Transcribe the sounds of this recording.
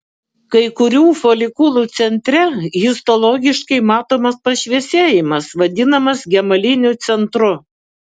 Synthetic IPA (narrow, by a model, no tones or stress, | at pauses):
kɐɪkʊɾʲuːfolʲɪkʊlˠuːt̪sʲɛnʲt̪ʲɾʲɛɣʲɪst̪ɔlˠɔɡʲɪʃkɐɪmɑːt̪oːmɐspɐʃʲʋʲiɛsʲeːjɪmɐsʋɐd̪ʲɪnɐmɐsɡʲɛmɐlʲɪnʲʊt̪sʲɛnt̪ɾʊ